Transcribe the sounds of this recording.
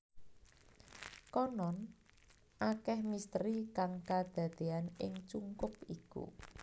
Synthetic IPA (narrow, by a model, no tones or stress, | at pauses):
kɔnɔn | ʔakɛhmist̪ɾikaŋkad̪̥ä̤d̪̥e̤anɪ̰ŋt͡ʃuŋkʊp̚ikṵ